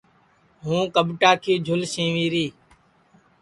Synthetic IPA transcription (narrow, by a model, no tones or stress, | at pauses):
ɦũːkəɓʈaːkʰiːd͡ʒʱʊlʃẽːʋiːɾiː